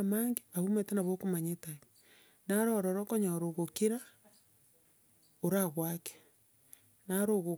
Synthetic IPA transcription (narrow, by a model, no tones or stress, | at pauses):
maːŋɡeaβumetenaβokomaɲetaj | naɾɔɾɔɾɔkoɲaɾoɣokiɾa | oɾaɣwake̥ | naɾoɣo